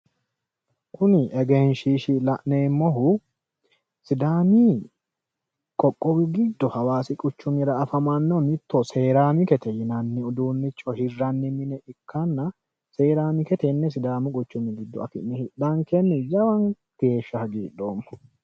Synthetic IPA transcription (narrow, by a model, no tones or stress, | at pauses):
kʰʊnɪʔɛɡɛnʃiʃɪlɐʔneːmːɔɦʊ | sɪd̪aːmi | kʼɔkʼːɔwɪɡɪd̪ːɔhɐwaːsɪkʼʊt͡ʃːʊmɪɾɐːfɐmɐnːɔmɪt̪ːoseːɾaːmɪkɛt̪ʰɛjɪnɐnːɪʊd̪uːnːɪt͡ʃʼːɔhɪrːɐnːɪmɪnɛʔɪkʰːɐnːɐ | seːɾaːmɪkɛt̪ɛnːɛs̬ɪd̪aːmɪkʼʊt͡ʃːʊmɪɡɪd̪ːɔ̰ɐ̰fɪ̰nːɛhɪɗɐŋkɛnːɛd͡ʒɐwɐŋ | ɡ̥e̞ːʃːɐhɐɡiːᶑoːmːɐ̥